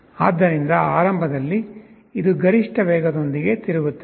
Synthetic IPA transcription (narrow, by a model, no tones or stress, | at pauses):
aːd̪ːɐɾind̪ɐaːɾɐmbʱɐd̪ɐlːi | id̪uɡɐɾiʂʈɐʋɛːɡɐd̪o̞nd̪iɡe̞t̪iɾuʋut̪ːe